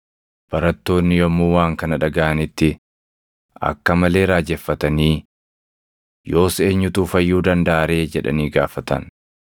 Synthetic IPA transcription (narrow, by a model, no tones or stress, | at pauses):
b̥ɐɾɐt̪ːo̞ːnːɪjɔmːuːwaːŋkɐnɐᶑɐɡɐʔɐnɪt̪ːɪ | ʔɐ̰kːɐmɐle̞ːɾaːd͡ʒɛfːɐt̪ɐniː | jo̞ːse̞ːɲːʊt̪uːfɐjːuːd̪ɐnd̪ɐʔaɾe̞ːd͡ʒɛᶑɐ̰niːɡaːfɐt̪ɐ̰n